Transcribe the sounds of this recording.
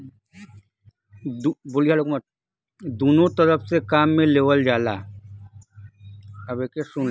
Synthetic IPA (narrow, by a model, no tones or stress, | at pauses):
d̪uboliɦalokmaʈ | d̪unot̪ɔlɔpsekamːelewəld͡ʒala̰ | əbekeʃun